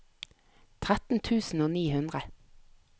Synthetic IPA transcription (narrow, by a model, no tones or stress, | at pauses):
t̪ʰʁæt̪n̩t̪ʰʉːsn̩oːniːhʉnd̪ʁə